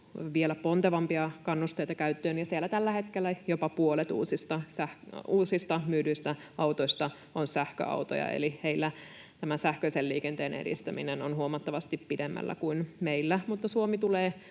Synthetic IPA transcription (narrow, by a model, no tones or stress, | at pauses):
ʋielæpont̪eʋɑmpiɑkɑnːust̪eijt̪ɑkæyt̪ːøːnjɑsielːæt̪ælːæhet̪kelːæjopɑpuolet̪ṵːsist̪ɑsæhuːsist̪ɑmyːdyist̪æɑwt̪oist̪ɑ | onsæhkø̰ɑ̰ut̪o̰jɑ̰ḛliheilːæ | t̪æmænsæhkøiselliːkent̪eːnḛdḭst̪æmḭnenonhuomɑt̪ːɑʋɑst̪ippidemːæ̰lːæ̰kuinmeilːæmut̪ːɑsuomit̪uleː